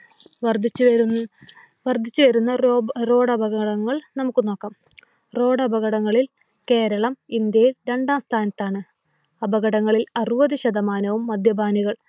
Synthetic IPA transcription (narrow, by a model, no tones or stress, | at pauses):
ʋɐrd̪ʱit͡ɕː | ʋɐrd̪ʱit͡ɕːɨʋɐɾunːɐro̞ːɽɐbɐɣɐɽɐŋːɐɭnɐmukːɨno̞ːkːɐːm | ro̞ːɽɐbɐɣɐɽɐŋːɐɭil | ke̞ːɾɐɭɐmind̪jɐjilɾe̞ɳɖaːmst̪ʰaːnɐt̪ːaːɳɨ | ɐbɐɣɐɽɐŋːɐɭilɐruʋɐðiɕɐd̪ɐmaːnɐʋumːɐd̪ʱjɐbʱaːniɣɐɭ